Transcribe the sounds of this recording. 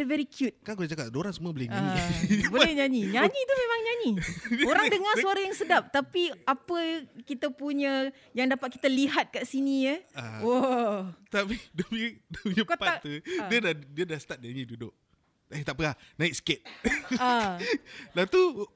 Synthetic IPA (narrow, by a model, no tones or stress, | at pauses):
vɛɾikʰjut̪̚kankutad͡ʒakat̪̚doɾaŋsəmũəbolɛɲãɲboɛhɲãɲiɲãɲit̪umemaŋɲaɲioɾaŋdəŋasuaɾajaŋsədap̚t̪apiapəkit̪apuɲə̃ | jaŋdapat̪̚ki̥t̪aliɦat̪̚kaʔsinijəawo | t̪apidomidoɲəkatpaat̪udiədadiədahsə̥t̪at̪̚ɲaɲĩdudoʔ | et̪aʔpəlanaik̚sə̥ket̪̚a | lat̪u